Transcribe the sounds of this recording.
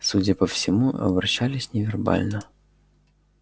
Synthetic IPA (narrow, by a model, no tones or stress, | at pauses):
sudʲəpəfsʲɪmuɐ̰bɾɐɕːalʲɪsʲnʲɪvʲɪrba̰lʲnə